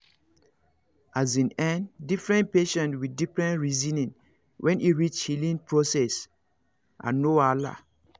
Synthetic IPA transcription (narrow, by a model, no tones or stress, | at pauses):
ʔazĩnɛ̃ndifɹɛ̃npeʃɛ̃ntwidifɹɛ̃nɹizĩnĩn | wʔɛ̃niɹit͡ʃhilĩnpɹosɛs | ʔã̰nːoala̰